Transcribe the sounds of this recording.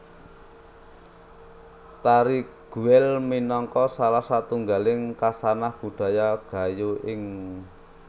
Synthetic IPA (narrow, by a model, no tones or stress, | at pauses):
t̪aɾiɡ̥ṳɛlminɔŋkɔsalahsat̪uŋɡalɪŋkasanahb̥ṳɖ̥a̤jaɡ̥ä̤juʔɪŋ